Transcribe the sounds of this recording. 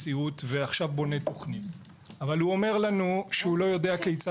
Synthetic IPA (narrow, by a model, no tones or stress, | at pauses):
siutveaχʃavbo̞ne̞t̪o̞χnit | avalhuo̞me̞ʁlanuʃehulo̞jo̞de̞akejt͡sa